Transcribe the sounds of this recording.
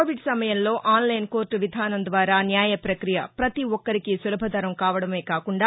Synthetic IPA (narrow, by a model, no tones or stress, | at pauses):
oːʋiɖsɐmɐjɐmlo̞ːʔaːnlɐjnko̞ːɾʈʋid̪ʱaːnɐnd̪ʋaːɾaːnjaːjɐpɾɐkɾijɐpɾɐt̪iʋɔkːɐɾikisulɐbʱɐd̪ʱɐɾɐmkaːʋɐɽɐme̞ːkaːkuɳɖaː